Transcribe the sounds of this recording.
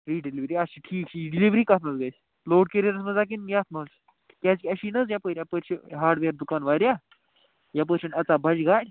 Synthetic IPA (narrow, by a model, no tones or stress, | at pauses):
ɾiːɖiliʋɾiaɕiʈʰiːkɕiɖiliʋɾiːkat̪nət͡sɡajs | loːɽ̚keɾəɾəsməd͡zak̬injat̪ʰməs | kʲat͡skʲɐɕiːnət͡sjapəɾʲjapəɾɕəɦaːɾɖʋeɾd̪ukanʋaɾja | jap̬əɾɕənɐt͡sabʱɐd͡ʑɡaːɽʲ